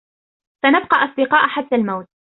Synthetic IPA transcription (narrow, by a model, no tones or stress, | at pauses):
sanab̚qɑʔɑsˤd̪ɪqɑːʔħat̪ːalmawt̪̚